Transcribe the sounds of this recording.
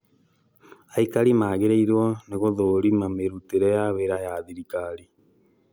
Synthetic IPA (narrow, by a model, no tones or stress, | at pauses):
aikaɾimaːɣeɾeiɾwɔneɣoðoɾimameɾuteɾɛjaβeɾajaðiɾikaɾi